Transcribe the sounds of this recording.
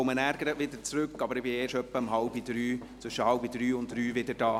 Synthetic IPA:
ɔmənæːɾɡəɾətʋɪdət͡sɾʏkːɑbəɾɪb̥ɪeːʃœpːəəmɦɑlbidɾyːtʋʏʃəhɑlbid̥ɾyːʊntːryːvɪdədɑː

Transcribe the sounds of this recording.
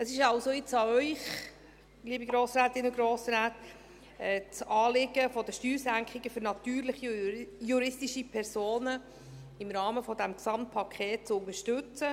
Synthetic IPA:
əsɪʃɑwsoɪt͡sɑœʏχ | liːəbiɡɾoːsraːtɪnəɡɾoːsɾaːt | ɛt͡sɑːlɪɡəfɔdəʃtyːɾsæŋkχɪɡəfʏɾnɑt̪yːɾlɪχijuɾɪstiʃipʰɛɾsoːnə | ɪmɾɑːməfɔd̪æmksɑmt̚pʰɑkʰχeːt̚t͡sʊnəʃtʉt͡sə

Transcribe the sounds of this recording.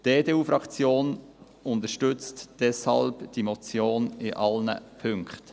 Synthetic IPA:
d̥eːdeːuːfɾɑkt͡sjoːn | ʊnt̪əʃtʏt͡std̥ɛshɑ̰lbd̥imɔt͡sjoːnɪʔɑlnə̰pʰʏŋkχt

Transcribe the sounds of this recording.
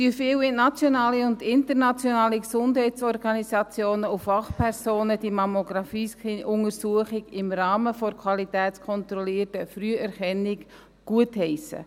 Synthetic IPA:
dyəfɪːwɪnɑt͡sjɔnɑːliʊndɪntəɾnɑt͡sjɔnɑːliksʊndɦɛɪtt͡sɔrɡ̥ɑnisɑt͡sjoːnəufɑχpʰɛɾsoːnəd̥imɑmoɡ̥ɾɑfiːsiʊŋəɾsuəχɪɡɪmrɑːməfɔɾkʰwɑlitɛːtt͡skʰɔnt̪ɾɔliːərtəfɾyəʔɛɾχɛnɪɡ | ɡ̥uəthɛɪsə̰

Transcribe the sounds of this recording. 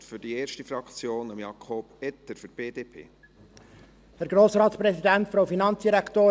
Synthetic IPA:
tfʏɾdieːɾʃtifɾɑkt͡sjoːnəmjɑkʰoːb̥ɛt̪ːəɾfʏɾb̥eːdeːpʰḛː | hɛæɾɡ̥ɾoːsɾɑːt̪spɾɛsid̪ænt̪fɾowfinɑnsd̪̥iɾækʰt̪oː

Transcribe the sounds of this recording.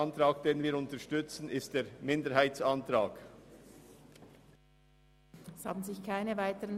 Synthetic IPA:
ntʁaːk̚d̥eːnviːɾʊntəʃtʏt͡sn̩ɪst̚d̥eːɾmɪndəɾhaɪt͡sɑntʁaːk | ɛsha̰ːbn̩zɪçkʰaɪnəvaɪtəʁən

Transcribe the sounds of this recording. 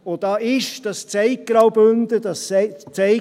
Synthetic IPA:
od̥ɑːʔɪʃd̥ɑst͡sɛɪk̚ɡ̥ɾɑwbønd̪əd̥ɑst͡sɛɪ

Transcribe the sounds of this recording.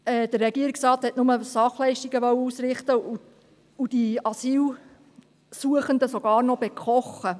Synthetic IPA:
ɛːd̥̪ərːɛɡiəɾiksrɑːt̪hɛtnʊməsɑχlɛɪʃtiɡəʋœwəusɾɪχt̪əu | ud̥iɑsiːl | suəχənd̪əsoɡɑːɾnɔb̥ekχɔχːə

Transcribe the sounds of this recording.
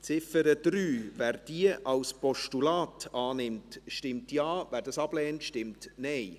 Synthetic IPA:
t͡sɪfəɾəd̥ɾyːvæːɾd̥iəʔɑwspɔʃtulɑːtɑːnɪmtʃtɪmtjɑːvæːɾdɑsɑb̥lɛːntʃtɪmtnɛɪ

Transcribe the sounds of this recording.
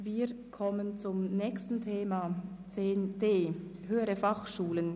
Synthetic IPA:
viːʁkʰɔmənt͡sʊmnɛːkstn̩tʰeːmat͡seːnd̥eːɦøːəʁəfɑχʃuːlən

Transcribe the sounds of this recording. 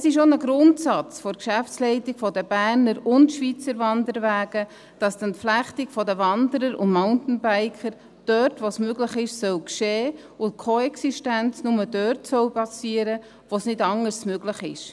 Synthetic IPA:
ɛsɪʃ̬onəɡɾʊntsɑt͡sfɔɾkʃæftslɛɪtɪɡ̥fɔdəbæːɾnəɾʊntʃʋit͡səɾvɑndəɾʋæːɡ̥ə | d̥ɑsd̥ɛntflæχtɪkfɔdəvɑndəɾəɾʊ̰ndmaʊntn̩bæɪkʰəɾ | d̥œrtʋosmøɡlɪχɪʃsœwkʃeː | ʊnt̚kʰoɛksiʃtænt͡snʊməd̥œrtsœwpɑsiːəɾə | ʋosnɪdɑŋəɾsmøɡləχɪʃ

